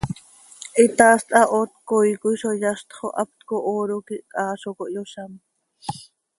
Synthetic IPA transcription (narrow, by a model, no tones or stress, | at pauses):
ʔit̪aːst̪ʼʔɑʔot̪̚kojkujʃojaʃt̪χo̰ʔap̚t̪koʔoɾokiʔkʼɑːʃokoʔjoʃam